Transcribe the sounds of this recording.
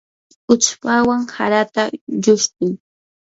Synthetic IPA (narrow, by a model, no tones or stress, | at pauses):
ʊt͡ʃpawaŋhaɾat̪aʎʊʃt̪ɪŋ